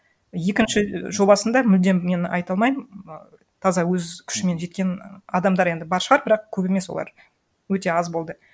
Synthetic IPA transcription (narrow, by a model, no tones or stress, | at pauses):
je̞kʲɪnʃɪʒo̞bɑsənd̪ɑmʏld̪e̞mme̞nɑ̰jt̪ɑlˠmɑjə | t̪ʰɑzɑwɵzkʲʰʏ̥ʃɪme̞nʒe̞t̪̚kʲe̞nɑd̪ɑmd̪ɑɾe̞nd̪ɪbɑɾʃəʁɑɾbɪɾɑqkʲʰɵbeme̞swolˠɑ̰ɾ | wɵt̪e̞ɑzbo̞lˠd̪ə